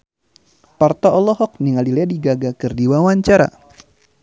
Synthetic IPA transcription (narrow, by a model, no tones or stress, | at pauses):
part̪ɔʔɔlɔɦɔk̚niŋalilɛdiɡaɡakɨrdiwawaɲt͡ʃaɾa̰